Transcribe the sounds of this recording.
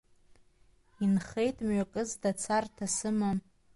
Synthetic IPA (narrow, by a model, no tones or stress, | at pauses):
inχe̞jtʼmɥakʼɨzdat͡sʰartʰasɨmam